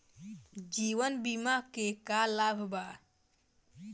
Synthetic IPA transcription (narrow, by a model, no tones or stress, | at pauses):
d͡ʒiʋənbimakekalabʱba